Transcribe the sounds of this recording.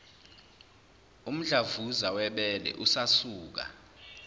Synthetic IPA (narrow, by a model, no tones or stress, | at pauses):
um̩ɮavuzawɛɓɛlɛ̰ʔusasuːk̬a̰